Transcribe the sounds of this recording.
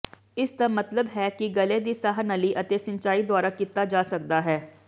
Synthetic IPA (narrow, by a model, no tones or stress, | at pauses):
ɪsd̪amət̪ləbɦɛːkɪɡəleːd̪iːsaːɦnəliːʔət̪eːsɪ̃nt͡ʃaːiːd̪ʊaːɾakit̪aːd͡ʒaːsək̚d̪aːɦɛː